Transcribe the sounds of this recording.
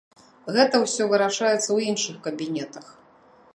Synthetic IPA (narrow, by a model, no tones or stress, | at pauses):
ɣɛt̪ɐwsʲɔvɨɾaʂajɛt̪sːɐwinʂɨxkɐbʲinʲɛt̪ɐx